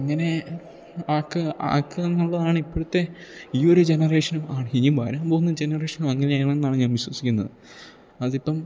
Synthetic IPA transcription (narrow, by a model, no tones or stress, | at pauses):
ɐŋːɐne̞ | aːkːɨa̰ːkːɨenːuɭːɐðaːɳɨipːoɽut̪ːe̞iːo̞ɾud͡ʑe̞nɐre̞ːʂɐnumaːɳiːumbaːɾaːmboːɣunːɐd͡ʑe̞nɐreːʂɐnumɐŋːɐnejɳɐenːaːɳɨɲaːnʋiɕwɐsikʲːunːɐðɨ | ɐðipːɐm